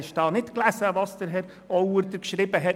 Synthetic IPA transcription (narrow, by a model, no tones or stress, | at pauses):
ɪʃd̥ɑːnɪtklæsəvɑsd̥̪əɾɦɛɾ | ɔwəɾd̪əɾkʃɾibəɦɛ